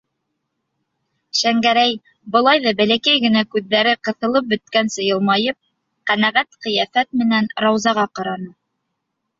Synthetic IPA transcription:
ʃæŋɡæɾæj | bɤ̆lˠɑjðɑbælækæjɡɘ̆nækʉðːæɾɘqɤ̆θɤ̆lˠɤp̚bɵ̆t̪̚kænsɤ̆jɤlˠmɑjɤp̚ | qænæʁæt̪qɤ̆jæfæt̪̚mɘ̆nænɾɑwzɑʁɑqɑɾɑnɤ

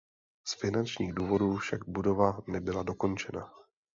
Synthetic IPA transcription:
sfɪnant͡ʃɲḭːɣduːvo̞duːfʃaɡ̚budo̞vanɛbɪlado̞ko̞nt͡ʃɛna

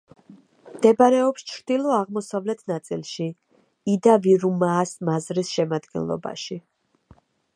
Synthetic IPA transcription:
md̪̥ɛbaɾɛɔpst͡ʃʰɾd̪ilˠɔaʁmɔsavlɛt̪ʰnat̪sʼilˠʃi | id̪aviɾumaːsmazɾisʃɛmad̪ɡɛ̰nlˠɔ̰ba̰ʃi

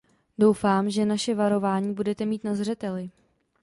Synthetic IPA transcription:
do̞wfaːmʒɛnaʃɛvaɾo̞vaːɲiːbudɛt̪ɛmiːt̪nazr̝ɛt̪ɛlɪ

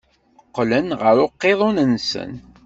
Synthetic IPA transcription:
əqːlənʁəɾʊqːeðˤʊnənsə̰n

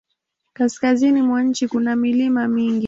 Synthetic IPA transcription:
kaskazinimwaɲ̩t͡ʃikunamilimamiŋɡi

